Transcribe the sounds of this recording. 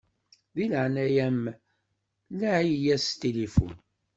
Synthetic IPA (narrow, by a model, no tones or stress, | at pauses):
ðiləʕnæjæm | læʕijjæst̪ilifṵn